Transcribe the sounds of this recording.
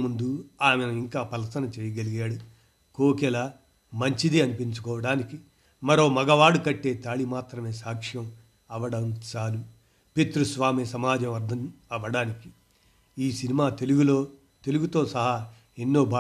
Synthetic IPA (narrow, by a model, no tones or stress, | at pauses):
mund̪uaːmenɐiŋkaːpɐlɐsɐnɐt͡ʃeɛːjɐɡɐliɡaːɽu | koːkɛla | mɐɲt͡ʃid̪iɐnipiɲt͡ʃu̥kɔːʋɐɽaːniki | mɐɾo̞ːmɐɡɐʋaːɽukɐʈːe̞ːt̪aːɭimaːt̪ɾɐme̞ːsaːkʂjɐm | ɐʋɐɽɐmt͡ʃaːlu | pet̪ɾusʋaːmesɐmaːd͡ʒɐmʋɐɾd̪ʱɐnɐʋɐɽaːniki̥ | iːsinimaːt̪eluɡuloː | t̪e̞luɡut̪o̞ːsɐɦɐ | enːo̞ːbʱaː